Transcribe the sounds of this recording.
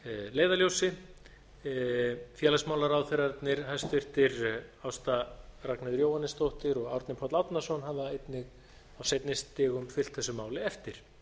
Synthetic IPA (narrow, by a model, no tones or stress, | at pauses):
leːjðaljowsɪ | fjɛːlasmawlaɾawθɪɾat̪nɪɾ̥ɦajst̪vɪr̥t̪ɪɾawst̪araknɪðɾjowhanːɪst̪owht̪ɪɾɔɣawɾt̪nɪpʰɔt̪lawt̪nasɔnɦavaejt̪nɪɣ | awsejt̪nɪst̪ɪːɣʏmfɪl̥t̪θɛsʏmaːwlɪɛft̪ɪɾ̥